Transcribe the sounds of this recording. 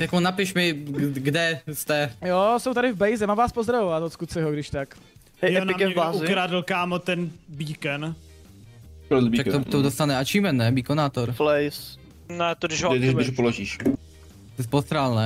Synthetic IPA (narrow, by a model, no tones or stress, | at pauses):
jakonapɪʃmɪɡdɛst̪ɛjosowt̪aɾɪvbɛjzɛmaːmvaːspozd̪ɾavovat̪oskusɪɦoɡdɪʃt̪ak | ɛnkɛauzɪkɾaːdɪlkaːmot̪ɛnbiːkɛn | kɾod̪bit͡ʃakt̪ot̪od̪ost̪anɛat͡ʃiːmɛnːɛbikonaːt̪oɾflɛjs | nɛt̪odɪʒd̪ɪʒʒpoloʒiːʃ | ɛspost̪ɾaːlnɛ